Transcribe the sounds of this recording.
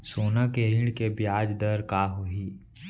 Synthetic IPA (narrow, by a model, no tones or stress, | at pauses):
soːnakeɾɪɽkebjaːd͡ʒd̪əɾkaːɦuɦi